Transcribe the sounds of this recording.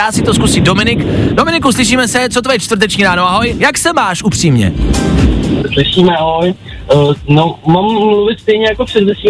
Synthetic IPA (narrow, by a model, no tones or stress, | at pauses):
aːsɪt̪oskusiːdo̞mɪnɪkdo̞mɪnɪkuslɪʃ̬iːmɛsɛt͡sot̪̬ojɛt͡ʃt̪vər̩t̪̬ɛt͡ʃɲiːɾaːnoʔaɦo̞jjaksɛmaːʃupr̥iːmɲɛ̰ | slɪʃiːmɛʔaɦoj | nomammluvɪt̪st̪ɛjɲɛjakopr̥ɛdvɛsi